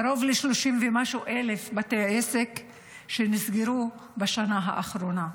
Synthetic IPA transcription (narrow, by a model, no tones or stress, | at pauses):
ɾo̞vleʃloʃimvemaʃuʔele̞fbatejaesek | ʃenisɡiɾubaʃanaɦa̰ʔaχɾo̞na